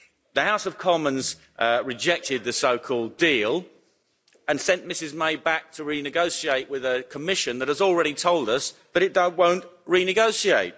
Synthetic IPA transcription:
ðəhaʊsəv̥kʰɒmə̃nz | ʔɹɪd͡ʒɛk̚tɪd̪̚ðɨsəʊkʰɔːlˠdiːlˠ | ə̃nsɛ̃nʔmɪsɪzmeɪbæk̚tʰəɹinɨɡoʊsieɪʔwɪðəkʰəmɪʃɨ̃nðət̚həzl̩ˠɹɛɾitʰoʊlˠdʌsðəɾɨt̚d̥ʌwə̃ʊ̃nʔɹinɨɡoʊsieɪt̚

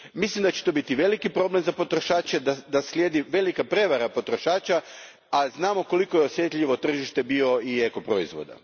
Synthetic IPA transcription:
mislimd̪at͡ɕe̥t̪oːbit̪iʋe̞likipɾo̞ble̞mzapo̞t̪ɾoʃaːt͡ʃe̞d̪ad̪aslʲjed̪iʋe̞likapɾe̞ʋaɾapo̞t̪ɾo̞ʃaːt͡ʃa | aznaːmo̞ko̞liko̞jeosje̞t̪ʎʲiʋot̪r̩ʒiʃt̪e̞bio̞ieko̞pɾo̞izʋo̰d̪a̰

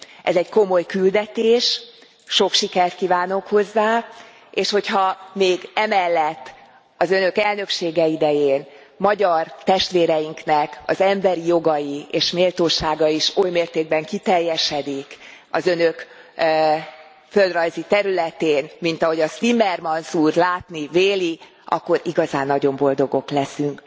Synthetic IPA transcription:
ʔɛzɛɟko̞mo̞jkyld̪ɛt̪eːʃ | ʃo̞kʃikɛrt̪̚kiːvaːnokho̞zːaː | eːʃho̞chɒmeːɡɛmɛlːɛt̪ː | ɒzø̞nø̞kɛlnø̞kʃeːɡɛid̪ɛjeːn | mɒɟɒrt̪ɛʃt̪ʋeːɾɛjiŋknɛkɒ̰zɛmbɛɾijo̞ɡɒjieːʃmeːlt̪oːʃaːɡɒiʃojmeːrt̪eːɡ̚bɛŋkit̪ɛrjːɛʃɛd̪ikɒ̰zø̞nøk | fø̞ld̪rɒjzit̪ɛɾylɛt̪eːnmint̪ɒɦo̞ɟɒst̪imɛrmɒnsuːrlaːt̪niveːli | ʔɒ̰kːo̞ɾiɡɒzaːnːɒɟo̞mbo̞ld̪o̞ɡo̞klɛsyŋk

